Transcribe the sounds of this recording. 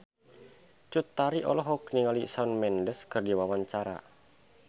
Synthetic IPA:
t͡ʃut̪ːaɾiʔɔlɔɦɔk̚niŋalisaunmɛndəskɨrdiwawaɲt͡ʃaɾa̰

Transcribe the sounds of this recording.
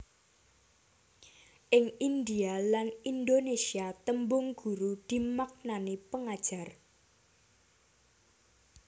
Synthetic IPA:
ʔɪŋind̪ialanind̪onesiat̪əmbʊŋɡ̥ṳɾud̪̥i̤mak̚nanepəŋad̥ʒ̥a̤r

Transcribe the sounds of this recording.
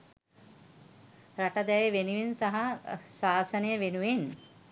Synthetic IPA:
ɾaʈɐd̪ɛjəʋenuʋinsaɦasaːsɐnəjəʋenuʋen

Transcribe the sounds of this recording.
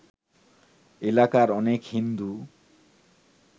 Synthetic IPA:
elakaɾɔnekhind̪u

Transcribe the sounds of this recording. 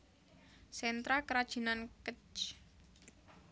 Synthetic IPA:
sɛnt̪ɾakəɾad̥ʒ̥i̤nankət͡ʃ

